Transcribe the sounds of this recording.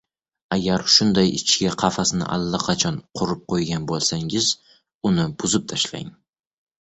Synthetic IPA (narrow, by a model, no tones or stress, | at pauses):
aɡʲaɾʃʊnd̪ajɪt͡ʃʰɡʲaqʰɑfasɪnɪ̰ʔa̰lːaqʰɑt͡ʃʰɒnqʰʊɾɪp̚qʰojɡʲanbolˠsaŋɪz | ʊnɪbʊzɪp̚t̪ʰaʃla̰ŋ